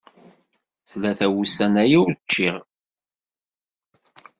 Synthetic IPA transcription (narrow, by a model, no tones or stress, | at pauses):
θlːæθæwusænæjiʊɾt͡ʃːiʁ